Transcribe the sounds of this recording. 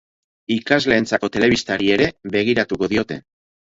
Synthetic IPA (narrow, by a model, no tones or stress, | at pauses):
ikazle̞ːnt͡sako̞t̪e̞le̞β̞ist̪aɾie̞ɾe̞βe̞ɣ̞iɾat̪uko̞ðio̞t̪e̞̰